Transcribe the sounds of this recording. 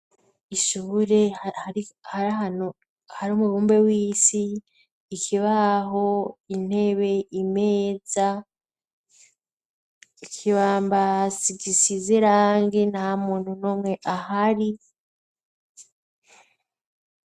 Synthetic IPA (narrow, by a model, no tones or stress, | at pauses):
iʃuβuɾe̞haɾihaɾɦano | haɾuːmuɡuːmbe̞wiːsiː | kʰiβaɦo̞in̥he̞βe̞ime̞ːza | ikʰiβaːmbasiɡisizeɾaːŋɡenahamuːn̥hunoːmŋe̞ʔahaɾi